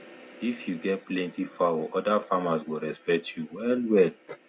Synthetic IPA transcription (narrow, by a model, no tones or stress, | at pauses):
ifjuɡɛt̚plɛ̃ntifawɔʔɔdafamaswilɹɛspɛk̚tʰjuwɛlwɛd